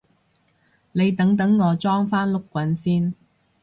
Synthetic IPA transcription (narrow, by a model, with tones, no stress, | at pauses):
le˨˧jt̪ɐ˨˥ŋt̪̬ɐ˨˥ŋːɔː˨˧t͡sɔː˥ŋfaː˥nlʊ˥kʷːwɐ˨˥nsiː˥n